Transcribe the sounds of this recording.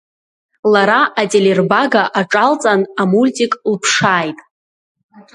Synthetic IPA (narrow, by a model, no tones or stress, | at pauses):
laɾaʔatʼelerbaɡaʔaʈ͡ʂʼalt͡sʼanamultʼikʼlpʰʂaːjtʼ